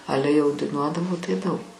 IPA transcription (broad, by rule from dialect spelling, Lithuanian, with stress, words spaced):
ˈɑːlʲɛ jɛʊ dɐɪˈnuɔdɐʋoː tɐɪ ˈdɐʊk